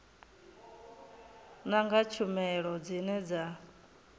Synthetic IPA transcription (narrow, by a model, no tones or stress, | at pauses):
naŋɡat͡ʃʰumɛɺɔd͡zinɛd͡za